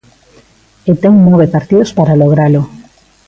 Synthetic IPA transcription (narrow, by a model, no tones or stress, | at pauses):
et̪ɛŋnɔβepaɾt̪iðospaɾaloɣɾalo